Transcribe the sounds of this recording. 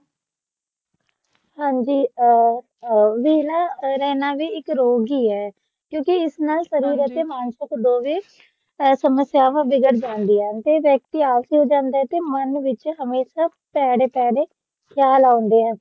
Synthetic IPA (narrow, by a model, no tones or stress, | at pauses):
hãːɲd͡ʒiː | ʋiːlaːɾɛːnaːʋiːɪkɾoːɡiːɦɛː | kjõːkɪɪsnaːlsəɾiːɾət̪eːmaːnʃəkd̪oːʋeː | səməsjaːʋãːʋɪɡəʈd͡ʒãːnd̪iːɛːt̪eːʋjəːk̚t̪iaːʋsiːɦoːd͡ʒãːnd̪aːɛːt̪eːmənʋɪt͡ʃɦəmeːʃaː | pɛːɽeːpɛːɽeː | kʰjaːlaːond̪eːɦɛː